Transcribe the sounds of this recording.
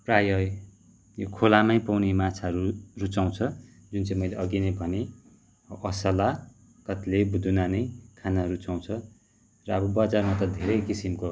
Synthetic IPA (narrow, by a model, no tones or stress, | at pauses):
prajʌj | jokʰolamaj̃pawnemat͡sʰaʌɾurut͡saw̃t͡sʰʌ | d͡zunt͡sãĩmʌjleʌɡinebʱʌne | ʌsʌla | kʌt̪lebud̪ʱunanʌjkʰanaʌɾut͡saw̃t͡sʰʌ | rʌʌbʌbʌd͡zarmat̪ʌd̪ʱeɾʌjkisimko